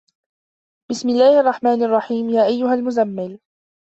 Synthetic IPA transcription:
b̥ɪsmɪlːaːhʔɑrˤːɑħmaːnʔɑrˤːɑħiːmjaːʔajːʊɦalmʊzamːɪl

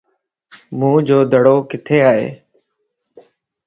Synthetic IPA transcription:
mũːd͡ʒoːd̪əɽoːkɪt̪ʰeːaːɦḛː

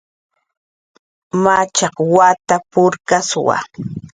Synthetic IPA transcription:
mat͡ʃɑqwat̪apʊɾkaswa̰

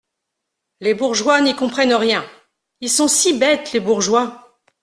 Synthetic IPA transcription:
lebuʁʒwanikɔ̃pχɛnʁjɛ̃ | ilsɔ̃sibɛt̪lebuʁʒwa

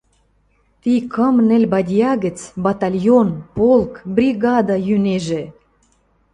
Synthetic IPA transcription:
t̪ikə̆mnɘ̆lʲbɑdʲjɑɣə̆t͡sbɑt̪ɑlʲjonpolˠkbɾʲiɣɑd̪ɑjyneʒĕ

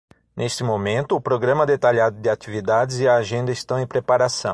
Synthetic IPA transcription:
nʔest̪ɪmomẽnt̪ʊːpɾoɡɾɐ̃mɐd̪et̪aʎad̪ʊd̪ɪat͡ʃ̪ivid̪ad̪ɪzɪɐːʒẽnd̪ɐɪst̪ɐ̃w̃ẽj̃pɾepaɾasɐ̰̃w̃

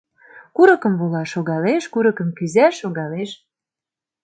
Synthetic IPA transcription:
kuɾɤ̆kɤ̆mβolɑʃoɣɑleʃkuɾɤ̆kə̆mkyzæʃoɣɑleʃ

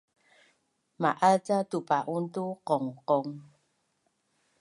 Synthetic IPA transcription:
maʔat͡satupaʔuntuqɔŋqɔŋ

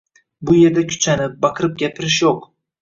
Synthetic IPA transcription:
bʊje̞ɾd̪akʲʰʊ̥t͡ʃʰanɪp̚bɑqʰɨɾɪp̚ɡʲapʰɪɾɪʃjoq

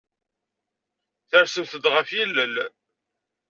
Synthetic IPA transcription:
θəɾsəmθəd̪ʁəfjilːəl

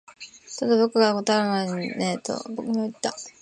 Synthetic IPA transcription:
t͡ɕod̪abo̞kɯ̟ɡakot̪oaɾɯnaneːt̪o̰bokɯŋait̪ːa

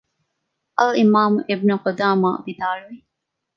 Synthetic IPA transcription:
ʔɐlimaːmʔibnuqod̪aːma̰ːbid̪aːɭuʋi

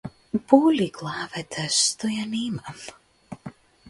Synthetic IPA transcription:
buːlʲiɡlˠaːvɛt̪ʰast̪ojanimam

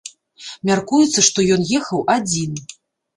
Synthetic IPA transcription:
mʲarkujut̪sːɐʂt̪ɔjɔnjɛxɐwad͡zʲin

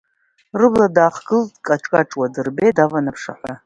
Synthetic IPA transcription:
rɨbladaːqɡɨldkʼaʈ͡ʂʼkʼaʈ͡ʂʼwadɨrbedavanapʰʂa̰ħʷa

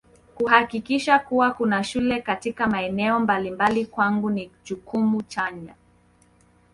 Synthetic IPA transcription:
kuhakikiʃakuwakunaʃulɛkatikamaɛnɛɔmbalimbalikwaŋɡunit͡ʃukʰumut͡ʃaɲa

